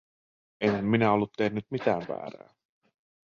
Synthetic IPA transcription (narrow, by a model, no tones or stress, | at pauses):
enhæmminæo̞lːut̪t̪ːehnːyt̪̚mit̪æːʋʋæ̰ːɾæ̰ː